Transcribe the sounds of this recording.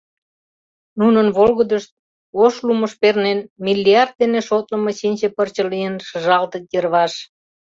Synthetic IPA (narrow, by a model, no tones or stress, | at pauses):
nunənβolɣəd̪əʃt̪̚ | oʃluməʃpernenmilʲːiɑrd̪̚d̪eneʃot̪ləməɕinʲt͡ɕepərt͡ɕəlijənʃəʒɑlt̪ət̪jərβɑʃ